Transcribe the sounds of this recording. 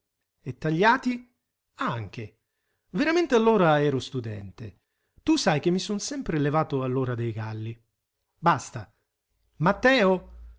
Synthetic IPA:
et̪ːaʎːaːt̪i | aŋk̟e | veɾament̪eɪalːoːɾaɛːɾʊst̪ud̪ɛ̰nt̪ḛ | t̪usajk̟ɪmːisonsɛmpɾelevaːt̪ʊalːoːɾad̪ejɡalːi | bast̪a | mat̪ːɛːo

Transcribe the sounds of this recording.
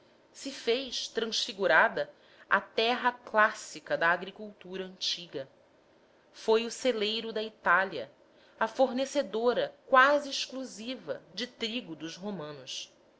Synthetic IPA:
sɪfejʃt̪ɾɐ̃ʃfiɡuɾad̪ɐ | ɐ̰t̪ɛɦɐklasikɐd̪ɐːɡɾikuwt̪uɾɐə̃nt͡ʃiɡɐ | fojʊselejɾʊd̪ɐit̪aliɐ̰ | ɐfoɾnesed̪oɾɐkwaziːʃkluzivɐ̰d͡ʒɪt̪ɾiɡʊd̪ʊzɦomɐ̃nʊs

